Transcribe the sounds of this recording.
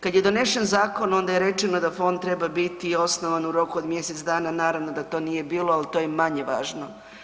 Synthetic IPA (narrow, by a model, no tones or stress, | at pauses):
kad̪jed̪o̞ne̞ʃenzaːko̞no̞nd̪ajeɾe̞t͡ʃeno̞d̪afo̞nd̪̚t̪ːɾe̞babit̪io̞snoʋanuɾo̞kuod̪mje̞set̪sd̪aːnanaːɾaʋno̞d̪at̪o̞ːnije̞biːloalit̪ojemaɲe̞ʋaːʒno